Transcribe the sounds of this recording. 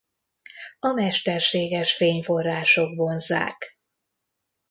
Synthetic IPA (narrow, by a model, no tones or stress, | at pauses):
ɒmɛʃt̪ɛrʃeːɡɛrʃfeːɲfo̞rːaːʃo̞kʋo̞nza̰ːk